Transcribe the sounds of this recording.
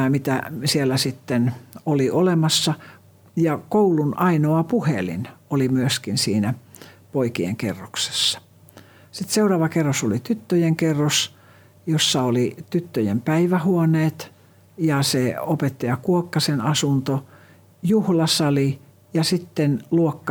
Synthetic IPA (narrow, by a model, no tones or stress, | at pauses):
mit̪æsielːæsit̪ːenoliʔolemɑsːɑ | jɑkoulunʔɑinoɑpuhḛlḭnolimyøskinsiːnæpoikiḛŋkḛrːokse̥sːɑ̥ | sit̪seurɑːʋɑkerːosolit̪yt̪ːøjeŋkerːos | josːɑolit̪yt̪ːøjḛmpæiʋæhuoneːt̪ | jɑseopet̪ːɑjɑkuokːɑsenɑsunt̪o | juhlɑsɑli | jɑsit̪ːenluokːɑ